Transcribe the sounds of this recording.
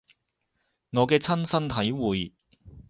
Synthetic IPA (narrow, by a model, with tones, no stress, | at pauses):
ŋɔː˨˧kɛː˧t͡sʰɐ˥nsɐ˥nt̪ʰɐ˨˥jwuː˨j